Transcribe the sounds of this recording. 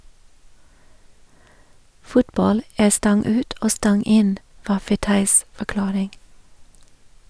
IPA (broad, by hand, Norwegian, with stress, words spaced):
ˈfʊtˌbɑl ˈæː ˈstɑŋ ˈʉːt ˈoː ˈstɑŋ ˈɪn ˈʋɑː fɛˈtɑɪs fɔˈklɑːɾɪŋ